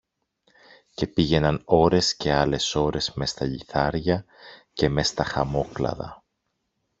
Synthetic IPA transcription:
ce̞piʝe̞nɐno̞ɾe̞sce̞ɐle̞so̞ɾe̞zme̞st̪ɐʎiθɐɾʝɐ | ce̞me̞st̪ɐxɐmo̞klɐ̰ðɐ̰

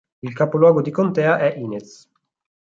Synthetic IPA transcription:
ilkapolwɔːɡod̪ikont̪ɛːaʔɛʔiːnet̪s

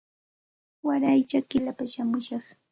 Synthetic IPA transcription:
waɾajt͡ʃakɪlapaʃamʊʃɑχ

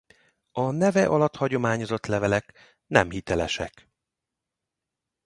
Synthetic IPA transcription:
ɒnɛvɛʔɒlɒt̪hɒɟo̞maːɲo̞zo̞t̪lɛvɛlɛk | nɛmhit̪ɛlɛʃɛ̰k

